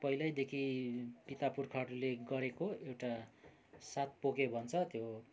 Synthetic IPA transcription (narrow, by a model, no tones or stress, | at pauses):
pʌɦilʌjd̪ekʰipit̪apurkʰaɽuleɡʌɾekoewʈa | sat̪̚pokebʱʌnt͡sʰʌt̪jo